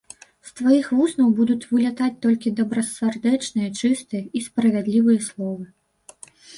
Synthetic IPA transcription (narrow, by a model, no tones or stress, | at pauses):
st̪vajixvusnɐwbud̪ut͡sʲvɨlʲat̪at͡sʲt̪ɔlʲkʲid̪ɐbɾɐsʲɛrd̪ɛt͡ʂnɨjɐt͡ʂɨst̪ɨjɐispɾɐvʲad̪lʲivɨjɐslˠɔvɨ